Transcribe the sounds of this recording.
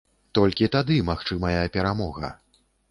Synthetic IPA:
t̪ɔlʲkʲit̪ad̪ɨmaxt͡ʂɨmɐjɐpʲɛɾamɔɣɐ̰

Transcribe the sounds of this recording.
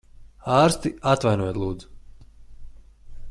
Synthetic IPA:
aːɾst̪iat̪vajnuɔjt̪ʲlˠuːd̪zu̥

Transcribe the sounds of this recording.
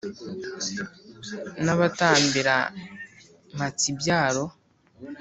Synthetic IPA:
naβataːmbiɾa̰ | mat͡sibjaːɾo

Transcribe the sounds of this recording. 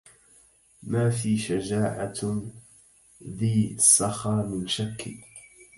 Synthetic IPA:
maːfiːʃad͡ʒaːʕa | ðiːsˤːɑxɑːmɪnʃakːi

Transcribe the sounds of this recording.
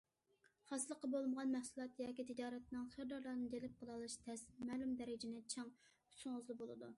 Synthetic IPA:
χɑsɨlˠəqːɑbolˠməʁɑnmɛχsulˠɑt̪jɑːkʲit̪ʰɪd͡ʒɑːɾɛt̪nɨŋχəɾd̪ɑɾlˠɑɾnɨd̪elɪp̚qʰəlˠɑlˠɨʃt̪ʰɛsmæːlumd̪ɛɾɪd͡ʒɪnɪt͡ʃʰɑŋ | ysʊŋʊzlˠɨbolˠɨ̰d̪u

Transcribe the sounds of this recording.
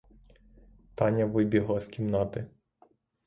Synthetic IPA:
t̪ɑnʲɐʋɪjbʲiɦlˠɑskʲimnɑt̪ɪ

